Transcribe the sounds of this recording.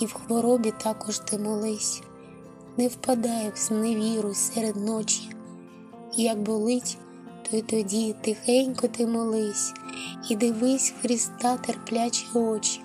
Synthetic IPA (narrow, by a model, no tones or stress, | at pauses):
iwxʋɔɾɔbʲit̪ɑkɔʒt̪ɪmɔlˠɪsʲ | nɛwpɐd̪ɑjɛwzmneʋʲiɾʊsɛɾed̪nɔt͡ʃi̥ː | jɐk̚bɔlˠɪtʲ | t̪ɔit̪ɔdʲit̪ɪxɛnʲkɔt̪ɪmɔlˠɪsʲid̪ɪʋɪsʲxɾʲist̪ɑt̪erplʲat͡ʃʲiɔt͡ʃi̥